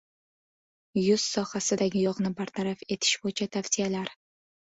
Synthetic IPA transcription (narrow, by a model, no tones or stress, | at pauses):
jʊz̥sɒhasɪd̪aɡʲɪjɒʁnɪbaɾt̪ʰaɾafe̞t̪ʰɪ̥ʃbojt͡ʃʰat̪ʰafsijalaɾ